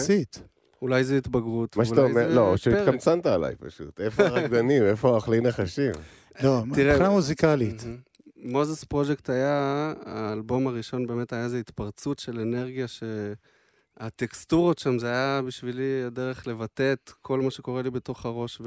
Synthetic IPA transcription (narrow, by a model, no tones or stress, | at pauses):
sit̪ | ulajzeit̪baɡʁut̪vmaʃt̪aomeʁloʃet̪kamt͡sant̪aːla̰jpaʃṵt̪efoʁadanimefoaχlineχaʃiv | lot̪iʁelamuzikalit̪ | mozespʁo̞d͡ʒekt̪ajaː | lbo̞maʁiʃo̞nbe̞ːme̞tajaeze̞it̪paʁt͡sutʃe̞lene̞ʁɡijaʃe̞ | at̪ekst̪uʁotʃamzeajabiʃviliade̞ʁe̞χle̞vate̞t̪kʰo̞lmaʃe̞ko̞ʁelibe̞to̞χaʁo̞ʃv